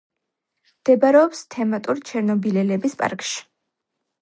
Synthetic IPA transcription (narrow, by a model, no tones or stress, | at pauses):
md̪̥ɛbaɾɛɔpst̪ʰɛmat̪ʼuɾt͡ʃʰɛɾnɔbilɛlɛbispʼa̰ɾkʼʃi̥